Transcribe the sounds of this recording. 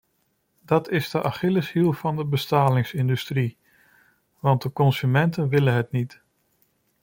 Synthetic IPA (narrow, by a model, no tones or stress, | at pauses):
d̥ɑtʰɪzdəʔaχɪlɪshilˠvɑndəbəstaːlɪŋsɪndystri | ʋɑnt̚dəkɔnsymɛntənʋɪlənɦətnit